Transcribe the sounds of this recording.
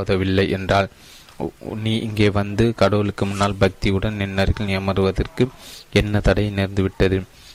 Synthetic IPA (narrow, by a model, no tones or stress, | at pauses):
ðɐʋɪlːɐɪʔɛndraːl | niːʔɪŋɡeːʋɐnd̪ɯkɐɽɐːɪlɯkːɯmʊnːaːlbɐk̚t̪iɯɽɐnnɪnːɐɾɣɐnɪjɐmɐɾɯʋɐðɐrkɯɛnːɐt̪ɐɽɐɪnɛɾnd̪ɯʋɪʈːɐðɯ